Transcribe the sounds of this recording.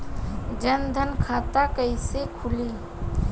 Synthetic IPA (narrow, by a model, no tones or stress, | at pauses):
d͡ʒənd̪ʱənkʰaːt̪akəisekʰʊli